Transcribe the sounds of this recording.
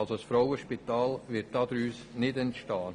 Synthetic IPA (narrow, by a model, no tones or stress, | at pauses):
lsosfɾɔʊwəʃpit̪ɑːlʋɪt̚d̥ɑːd̪ɾyːsnɪdɛntʃtɑː